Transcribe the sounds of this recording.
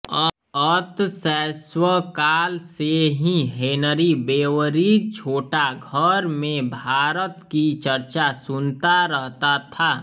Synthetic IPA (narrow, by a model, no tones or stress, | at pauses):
ət̪sɛːswəkaːlseɦĩɦeːnəɾibeːwəɾit͡ʃʰoːʈaɡʱəɾmẽbʱaːɾət̪kit͡ʃəɾt͡ʃasʊnt̪aɾəɦt̪at̪ʰaː